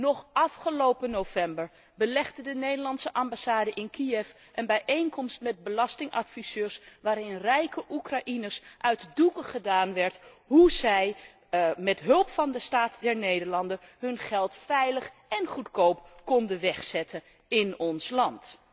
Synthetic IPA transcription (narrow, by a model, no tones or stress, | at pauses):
nɔχʔɑfχəlowpənowvɛmbəɹ | bəlɛχdədənejdəɹlɑntsəʔɑmbasaːdəʔɪnkiɛf | ʔənbɛjʔejnkɔmstmɛd̚bəlɑstɪŋʔɑ̰tfisøːɹsʋaːɾɪnrɛjkəʔukraʔinəsʔœɥtdukəχədaːnʋɛɹt | ɦuzɛj | mɛtɦɵlˠpfɑndəstaːtdɛɹnejdəɹlɑndəɦɵnχɛlˠtfɛjləχ | ɛnχutkowpkɔndəʋɛχsɛtʰə | ɪnɔnslɑnt